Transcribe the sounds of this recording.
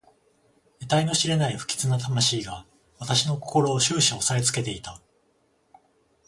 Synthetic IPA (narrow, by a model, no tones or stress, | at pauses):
et̪aino̞ɕiɾe̞naiɸɯ̟̥kʲi̥t͡sɨnat̪̬amaɕiːɡa | βat̪aɕino̞ko̞ko̞ɾo̞ːɕɨːɕĩo̞saet͡sɨ̥ke̞t̪e̞it̪a